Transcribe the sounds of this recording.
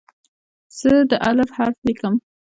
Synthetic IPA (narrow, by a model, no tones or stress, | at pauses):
z̥əd̪əʔalafhaɾflikəm